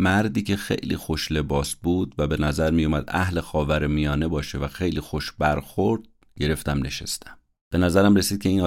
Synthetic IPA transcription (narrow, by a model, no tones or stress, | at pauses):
mæɾd̪iːcʰe̞xe̞̰jlḭːxoʃle̞bɒːsbuːd̪væbe̞næzæɾmijumæd̪æ̰hle̞xɒːvæɾemijɒːne̞bɒːʃevæxe̞jliːxoʃbæɾxo̞ɾd̪̥̚ | ɟe̞ɾe̞ft̪æmne̞ʃest̪æ̥m | b̥e̞næzæɾæmɾesiːd̪̚cʰe̞iːn